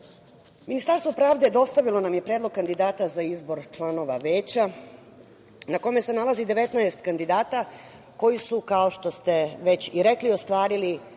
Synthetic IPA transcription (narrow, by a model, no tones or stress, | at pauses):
minist̪aɾst̪ʋo̞pɾaːʋd̪ed̪o̞st̪aʋilo̞namje̞pɾeːd̪lˠo̞ɡ̚kand̪id̪aːt̪azaizbo̞ɾt͡ʃlˠano̞ʋa̰ʋe̞ːt͡ɕa | nako̞me̞se̞nalˠazid̪e̞ʋe̞t̪naest̪kand̪id̪aːt̪a | ko̞jisukao̞ʃt̪o̞st̪e̞ʋe̞t͡ɕiɾe̞klio̞st̪ʋaːɾili